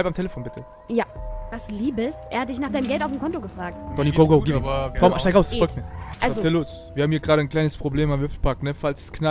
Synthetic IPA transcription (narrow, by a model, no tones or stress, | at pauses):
abpamtʰeləfoːnbɪtʰə | javasliːbəsʔḛːɐhat̚d̥ɪçnaːχd̥aɪnəmɡɛltaʊfmkʰɔntoɡəfʁ̥aːk̚td̥ɔniɡoɡoɡiːbfʁɔmʃtaɪkaʊsfɔlk̚tmiːɐʔalzotiɐloːs | viːɐhaːm̩hiːɐɡʁaːɾənkl̥aɪnəspʁ̥obleːmamlʏflpʰaknəfalsskna